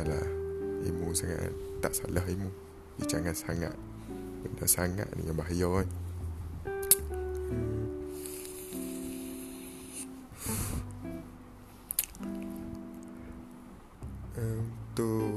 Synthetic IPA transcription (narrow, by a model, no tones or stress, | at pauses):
la̰hḭmusaŋa̰ʔt̪aʔsa̰laɦimu | dit͡ʃaŋat̪saŋa̰t̪̚ | bənasaŋa̰ʔnḭjãbaɦajɔ | əm | ət̪u